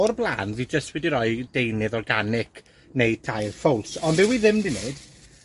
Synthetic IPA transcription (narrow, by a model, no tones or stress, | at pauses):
ɔrblˠa̰ːnðid͡ʒəstwɛdiɾɔɨd̥ejnɨðɔrɡanɪkʰ | nejtʰajlfɔlˠsɔndɛwiðɪmdineɨd̥